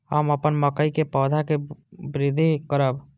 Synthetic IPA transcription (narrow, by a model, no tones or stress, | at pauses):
hə̰məpənməkəikepɔːd̪ʱakebɾɪd̪ʱːikəɾəb